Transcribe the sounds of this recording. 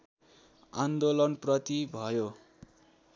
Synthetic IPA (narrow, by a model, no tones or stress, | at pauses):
and̪olʌnprʌt̪ibʱʌjo